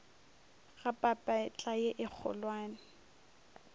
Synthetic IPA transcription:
ɣapʼapʼat͡ɬʼajeʔɪk͡xʰɔ̰lwaːnɪ

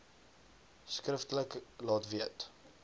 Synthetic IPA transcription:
skrəftələklɑːtviət

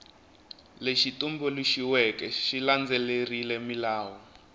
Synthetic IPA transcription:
leʃitumbuluʃiwɛkɛʃiland͡zɛlerilɛmilaːwɔ

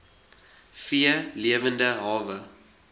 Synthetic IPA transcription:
fiəliəvəndəɦɑːvə

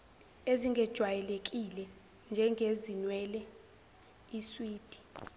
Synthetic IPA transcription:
eziŋɡʱɛd̥ʒ̥ʱwajɛlek̬ʼilɛ | nd͡ʒʱɛŋɡʱezinwɛːlɛ | iswiːd̥ʱi̥

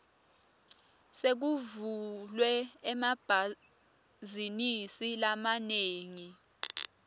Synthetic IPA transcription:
sek̬uvulwɛɛmab̥ʱa | zinisilamaneːŋi

